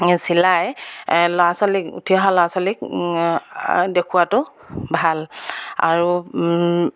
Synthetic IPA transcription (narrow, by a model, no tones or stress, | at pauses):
silajlɔasɔlikṵtʰiɔɦalɔasɔlik̚ | dekʰuwatʊ | bʱala̰ɹu